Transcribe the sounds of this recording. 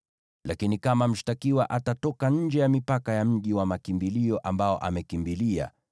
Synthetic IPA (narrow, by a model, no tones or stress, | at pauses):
lakinikamam̩ʃtakiwaʔatatɔkaɲ̩d͡ʒɛjamipakajam̩ʄiwamakimbiliɔʔambaɔʔamɛkimbilia̰